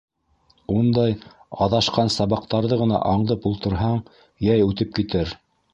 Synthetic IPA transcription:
und̪ɑjɑðɑʃqɑnsɑβɑqt̪ɑɾðɤʁɤ̆nɑ̰ʔɑɴðɤpulˠt̪ɤ̆ɾɦɑɴ | jæjʉt̪ɘp̚kit̪ɘɾ

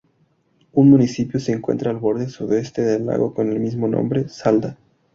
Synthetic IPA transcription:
unmũnisipjose̞ːŋkwe̞̰nt̪ɾaːlβo̞ɾðe̞suðe̞st̪eðelːa̰ɣo̞̰ko̞ne̞lmizmo̞nõ̰mbɾe̞sald̪a

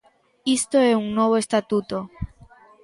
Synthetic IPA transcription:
ist̪oesuŋnweβ̞oest̪at̪ut̪o

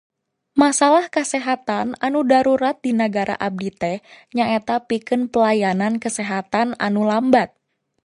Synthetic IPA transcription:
masalahkəsɛɦat̪ananudaɾuɾat̪̚dinəɡaɾa̰ʔab̚dit̪ɛɲaŋet̪apikɨnpəlajanankəsɛɦat̪ana̰nulambat̪̚

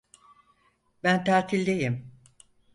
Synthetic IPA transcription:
bænt̪ʰaːt̪ʰilʲd̪ejim

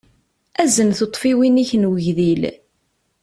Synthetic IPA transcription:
æzənθot̪ˤfiwiniçənwəʝðil

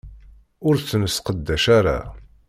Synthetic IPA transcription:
ʊɾθnəsqəd̪ːæʃaɾa̰

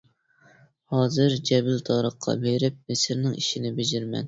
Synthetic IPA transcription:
hɑːzɨɾd͡ʒɛbɪlt̪ʰɑɾəχqʰːɑ̰beɾɪp̚mɪsɪɾnɪŋiʃinɪbed͡ʒɪɾmɛ̰n

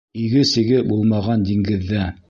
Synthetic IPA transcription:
iɡɘsɘ̆ɡɘbulˠmɑʁɑnd̪iŋɡɘ̆ðːæ

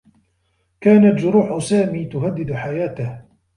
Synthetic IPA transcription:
kaːnat̪d͡ʒʊɾuːħʊsaːmiːt̪ʊɦad̪ːɪd̪ħajaːt̪ɪh

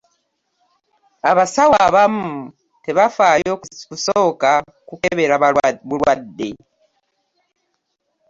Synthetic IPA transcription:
aβasawaβamu | teβafaːjokusoːka | kukeβeɾaβuɾwadːḛ

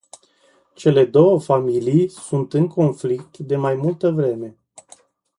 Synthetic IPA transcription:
t͡ʃe̞le̞d̪o̞wəfamilijsunt̪ɨŋko̞nflik̚t̪d̪e̞majmult̪əvɾe̞me̞

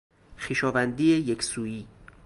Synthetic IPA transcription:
xiːʃɒːvænd̪iːejekʰsuːiː

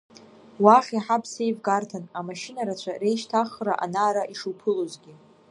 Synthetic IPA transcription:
waχʲiħapʰsejvɡartʰanamaʃinaɾat͡ɕʷʰare̞jʃtʰaχraʔa̰naːɾaʔiʂupʰɨlozɡʲɪ

